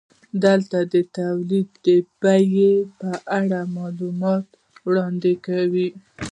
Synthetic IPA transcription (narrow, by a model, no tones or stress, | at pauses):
d̪əlt̪ad̪ət̪awlid̪ːəb̥ajepəʔaɽamɑlumɑt̪ | wɽɑnd̪ɪkawi